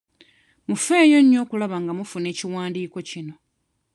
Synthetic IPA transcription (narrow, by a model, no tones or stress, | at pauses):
mufe̞ːjo̞ɲːo̞ːkulaβaŋɡamufune̞ːciwaːndiːko̞cino̞